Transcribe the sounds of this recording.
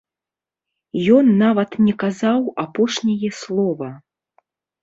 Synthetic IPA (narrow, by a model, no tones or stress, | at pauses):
jɔnːavɐt̪nʲɛkazawapɔʂnʲɐjɛslˠɔvɐ